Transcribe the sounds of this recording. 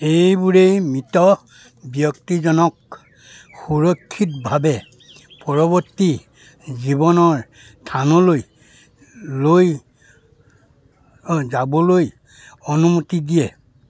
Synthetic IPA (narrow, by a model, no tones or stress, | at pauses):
ejbuɹejmitɔ | bjɔktizɔnɔk | xuɹɔkʰːitbʱabɛ | pɔɹɔβɔtːi | zibɔnɔɹ | tʰanɔloj | loj | zabɔloj | ɔnumutidijɛ